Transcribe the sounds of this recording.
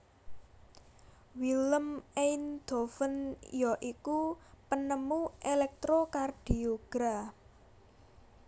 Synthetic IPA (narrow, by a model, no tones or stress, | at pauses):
wiləmend̪̥ofənjɔʔikupənəmuʔelɛk̚t̪ɾokard̥ioɡ̥ɾa